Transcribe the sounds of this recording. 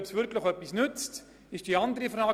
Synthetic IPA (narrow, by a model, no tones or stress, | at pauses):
psvʏɾkʰlɪχœpːisnʏt͡st | ɪʃd̥iandəɾifraː